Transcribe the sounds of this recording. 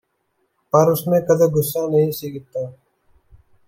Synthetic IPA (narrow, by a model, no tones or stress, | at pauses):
pəɾʊsmẽːkəd̪eːɡʊsãːnəɦĩːsiːɡɪt̪ːaː